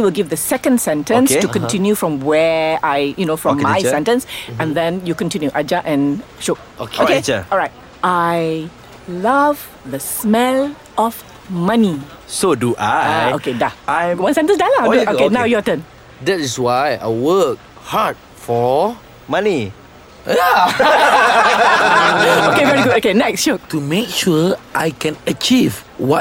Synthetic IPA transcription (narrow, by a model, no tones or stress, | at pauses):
iwɪlɡivdəsɛkə̃ndsɛ̃ntə̃nstukɔ̃ntĩnjufɹɔ̃mwɛaɪjunofɹɔmːajsɛ̃ntə̃nsɛ̃nd̪ɛ̃njukɔ̃ntĩnjuʔad͡ʒaʔɛ̃nʃo | okoket͡ʃəɔlɹaɪt̚ | ʔaj | lav | ðəsmɛl | ɔf | mani | soduʔajokedaajwãnsɛ̃ntə̃sdalaokenãwjuatə̃n | dɛtiswaja̰wək̚ | had̚ | fɔ | mani | ja | okevɛɹiɡudokenɛksʃok̚tumek̚ʃuʔajkɛ̃nət͡ʃivwɔ